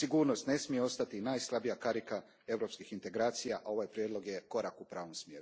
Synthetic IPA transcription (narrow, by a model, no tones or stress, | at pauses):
siɡuːɾno̞st̪ne̞smijeo̞st̪at̪inajslˠabijakaɾika | e̞ʋɾo̞pskixint̪e̞ɡɾaːt̪sijaʔao̞ʋajpɾjed̪lˠo̞ɡjeko̞ɾakupɾaːʋo̞msmjeːɾu